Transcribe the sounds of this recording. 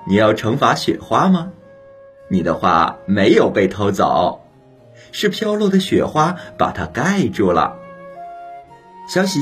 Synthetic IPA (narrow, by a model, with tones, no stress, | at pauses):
ni˨˩jɑ˥˩ʊʈ͡ʂʰɤ˧˥ŋfa˧˥ɕɥɛ̰˨˩xwa˥mɐ˨ | ni˨˩d̪ə˦xwa̰˥˩me˧˥ɪjo˨˩ʊpe˥˩ɪt̪ʰo˧˥ʊt͡sɑ̰˨˩˦ʊ | ʂɻ̩˥˩pʰjɑ˥ʊlwɔ˥˩d̪ə˨ɕɥɛ˨˩xwa˥pa̰˨˩t̪ʰa˥ka˥ɪʈ͡ʂɔ˥˩lə̰˩ | ɕjɑ˥ʊɕi˧˥